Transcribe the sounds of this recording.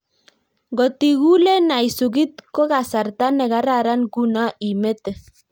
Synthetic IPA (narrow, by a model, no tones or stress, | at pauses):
ɡot̪iɣulenajsuɣit̪koɣasaɾt̪aneɣaɾaɾanɡunaʔimet̪e